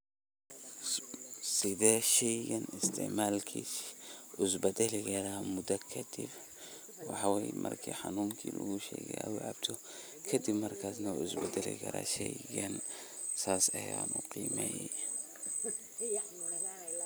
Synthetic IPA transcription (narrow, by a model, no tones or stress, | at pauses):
sɪðɛːʃɛjɡɐnɪst̪ʰɪ̰ʕmaːlkʰisʔʊsbɐd̪ɐlɪkɐɾamʊd̪ɐkʰɐd̪ɪb | wɑħɑwɛjmʔɐ̰rkʰḭħɑnuːmkʰḭːlɐɣʊʃɛ̰ːɣɛaʊʕɑbt̪ʰɔ | kʰɐd̪ɪbmɐrkʰaːsnɐʊsbɛd̪ɐlɪ̰kʰɐ̰ɾa̰ːʃɛjɡɐn | saːsɐjaːnʊqiːmɛj